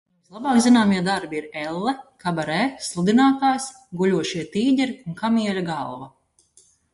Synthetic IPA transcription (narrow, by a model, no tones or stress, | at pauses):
muslˠabaːkzinaːmiɛd̪aɾbiiɾɛlˠːɛkabaɾɛːslˠud̪inaːt̪aːjs | ɡuʎʲuɔʃiɛt̪iːɟʲɛɾiunkamiɛlʲaɡalˠva